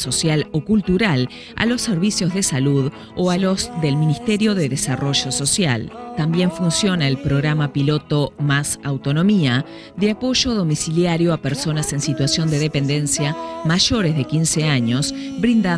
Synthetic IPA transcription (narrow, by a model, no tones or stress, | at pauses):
so̞sjalokult̪uɾal | a̰lo̞sːeɾβisjo̞zðesaluð | oalo̞szðe̞lminist̪eɾjo̞ðeðesaro̞ʒo̞so̞sja̰lt̪ambje̞ɱfunsjo̞naelpɾo̞ɣɾamapilo̞t̪o̞masawt̪o̞nõ̞mia | d̪eapo̞ʒo̞ðo̞misiljaɾjo̞apeɾso̞nase̞nsit̪wasjo̞nd̪eðepe̞nd̪e̞nsjamaʒo̞ɾezðekinseaɲo̞s | bɾind̪a